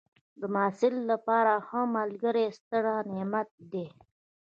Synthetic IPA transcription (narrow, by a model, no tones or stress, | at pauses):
d̪əmɑːsɪlːapɑɾaxəmalɡəɾest̪əɽanemat̪̚d̪e